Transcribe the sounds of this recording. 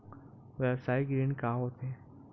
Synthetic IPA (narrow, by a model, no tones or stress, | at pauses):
ʋɛbsaːiɡɾeːnkaɦoːt̪ɦɛ̃